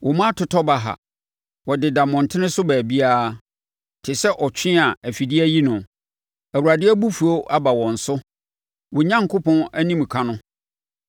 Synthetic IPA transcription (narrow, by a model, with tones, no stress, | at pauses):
wʔɔ˨mã˦tʰʊ˨tʰɔ˦ba˨ɦa̰˨ | wɔ˨dɪ˨da˨mɔ̃˨n˨tʰɪ̃˦nɪ̃˦sʊ˦bæː˨bi˦aː˦ | tʰɪ˨sɛ˦ʔɔ˨t͡ɕᶣɪ̃˦a˨æ˨fi˨di˦æ˦ji˦nʊ̃˨ | æ˨wu˨ɾa˨dɪ˦æ˦bu˦fu˨o˦ʔa˦ba˨wɔ̃˨n̩˨sʊ˦ | wɔ˨ɲã˦ŋkʰʊ˦pɔ̃˦næ˦nĩ˦m˨kʰã˦nʊ̃˦